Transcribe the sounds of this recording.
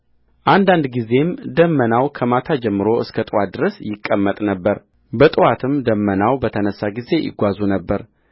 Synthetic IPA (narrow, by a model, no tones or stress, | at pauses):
ʔand̪and̪ɡize̞md̪əmːənawkʰəmat̪ʰad͡ʒɛmːɨɾo̞ʔɨskʰət̪ʼɨwat̪̚d̪ɨɾəsjɪkʼːəmːət̪ʼnəbːəɾ | bət̪ʼɨwat̪ʰɨmd̪əmːənawbət̪ʰənəsːaɡize̞jɪ̰ɡʷazunəbːəɾ